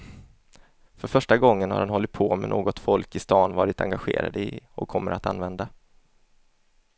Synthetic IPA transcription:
fœɾfœʂʈaɡɔŋːənha̰ɾhanɦɔlːɪt̪̚pʰoːmɛ̰noːɡɔt̪fɔlkɪst̪ɑːnvɑːɾɪt̪a̰ŋɡaɧḛːɾa̰d̪əɪɔkʰːɔmːəɾʔat̪anvɛnd̪a

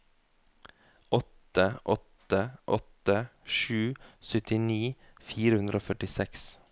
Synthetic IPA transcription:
ʔɔt̪əʔɔt̪əʔɔt̪əʃʉːsœt̪ɪniː | fiːɾəhʉnd̪ɾoːfœʈɪsɛks

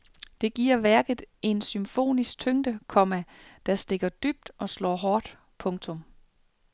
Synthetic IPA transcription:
d̥e̝ɡ̥ḭɐ̰ʋæɐɡ̥ð̩ˠe̝nsymfo̝̰ːnisɡ̥̚t͡sʰøŋd̥əkʰɒ̽mæd̥æsd̥e̝ɡ̥ɐd̥yb̥̚d̥ʔɒ̽slɒ̰ːɦɒːd̥ | pʰɔ̽ŋt͡sʰɔ̽m

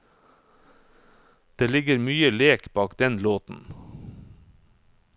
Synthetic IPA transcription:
d̪̥eːlɪɡəɾmyːəleːkbɑːkd̪ɛnloːt̪n̩

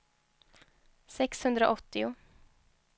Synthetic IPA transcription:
sɛkshɵnd̪ɾəʔɔt̪ːɪʊ

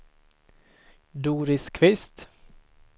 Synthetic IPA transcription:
d̪uːɾɪskʰvɪst̪

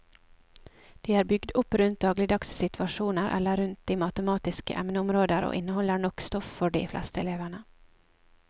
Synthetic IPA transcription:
d̪̥iːæːɾbʏɡd̪ʊpːɾʉnt̪̚d̪ɑːɡlɪd̪ɑkssɪt̪ʰʋɑʂuːnəɾʔɛ̰lːəɾʉnt̪̚d̪iːmɑt̪əmɑːt̪ɪskə̰ʔɛmnəʊmɾoːd̪əɾo̰ːʔɪnːəhɔlːəɳɔkst̪ɔffɔɖḭːflɛ̰st̪əɛleːʋəɳə

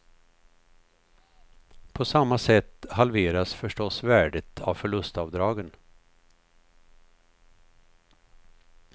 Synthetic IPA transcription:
pʰɔsamːasɛt̪ːɦalveːɾasfœʂʈɔsvæːɖət̪ʰa̰vfœɭɵst̪ɑːvd̪ɾɑːɡən

